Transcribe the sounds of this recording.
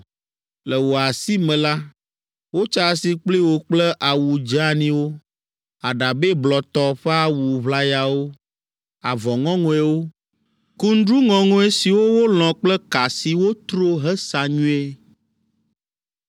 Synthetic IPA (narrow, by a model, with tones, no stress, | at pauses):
lɛ˨wo˨a˨si˦mɛ̃˨la˦ | wo˦t͡ʃa˦si˦k͡pli˦wo˨k͡plɛ˦ʔa˨wu˨d͡ʒa˦nĩ˦wo˦ | a˨ɖa˨be˦blɔ˨t̪ɔ˦ɸɛ˦a˦wu˨βla˦ja˨wo˦ | a˨vɔ˨ŋɔ̃˦ŋɔ̃˦e˦wo˦ | ku˦n̩˦ɖɾu˦ŋɔ̃˨ŋɔ̃˦e˦si˨wo˦wo˦l̃ɔ̃˨k͡plɛ˦ka˨si˨wo˦t̪ɾo˦ɦɛ˦sa˨ɲũ˦e˦